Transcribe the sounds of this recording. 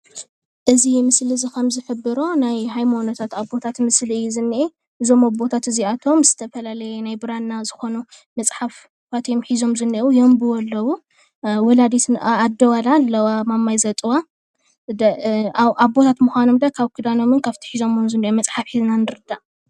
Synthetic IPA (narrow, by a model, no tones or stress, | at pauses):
ʔɨzimɨslizikʰɐmzɨħɨbːɨɾonajɦajmonot̪ʰat̪aβbo̞t̪ʰat̪mɨsliɨjːuzɨnːiʔe | ʔɨzo̞mabo̞t̪ʰat̪ɨziat̪ʰo̞mzɨt̪ʰɐfɐlalɐjɛnajbɨɾanːazɨxo̞nu | mɐt͡sʼħaf | fat̪ʰeomħizo̞mzɨniʔujo̞mbɨwɔlːɐwu | wɔlad̪it̪ːd̪ɐwalalːɐwamamːajzɐt̪ʼɨwa | d̪ | ʔaβbo̞t̪ʰat̪muxʷano̞md̪ɐkʰaβkʰɨd̪ano̞mɨnkʰaβt̪ʰi̥ħizo̞momzɨnːiʔomɐt͡sʼħafħiznanɨɾɨd̪aʔ